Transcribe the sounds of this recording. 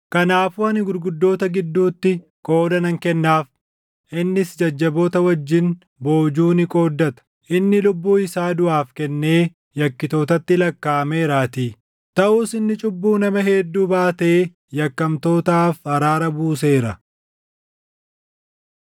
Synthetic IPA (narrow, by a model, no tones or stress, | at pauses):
kɐnaːfuːɐnɪɡʊɾɡʊd̪ːo̞ːt̪ɐɡɪd̪ːuːt̪ːɪ | kʼo̞ːd̪ɐnɐŋkɛnːaːf | ʔɪnːɪsd͡ʒɐd͡ʒːɐbo̞ːt̪ɐwɐd͡ʒːɪn | bo̞ːd͡ʒuːnɪkʼo̞ːd̪ːɐt̪ɐ̥ | ʔɪnːɪlʊbːuːɪsaːd̪ʊʔaːfkɛnːe̞ː | jɐkːɪt̪o̞ːt̪ɐt̪ːɪlɐkːaːme̞ːɾaːt̪i | t̪ɐʔuːsɪnːɪt͡ʃʼʊbːuːnɐmɐɦeːd̪ːuːbaːt̪eː | jɐkːɐmt̪o̞ːt̪aːfhɐɾaːɾɐbuːse̞ːɾɐ